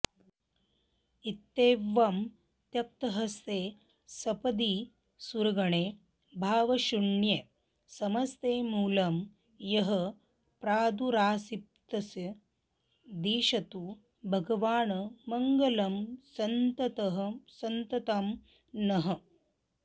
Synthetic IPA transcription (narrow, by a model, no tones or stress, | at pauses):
it̪ːeːʋɐm | t̪jɐp̚t̪ɐɦɐst̪eː | sɐpɐd̪i | suɾɐɡɐɳeː | bʱaːʋɐʃuɳje | sɐmɐst̪eːmuːlɐm | jɐɦɐ̆ | pɾaːd̪uɾaːsip̚t̪ɐsjɐ | d̪iːʃɐt̪u | bʱɐɡɐʋaːɳɐmɐŋɡɐlɐmsɐnt̪ɐt̪ɐɦɐ̆sɐnt̪ɐt̪ɐm | nɐɦɐ̆